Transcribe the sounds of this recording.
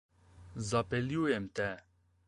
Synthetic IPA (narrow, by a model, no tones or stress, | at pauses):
zɑpɛlijojemt̪ɛ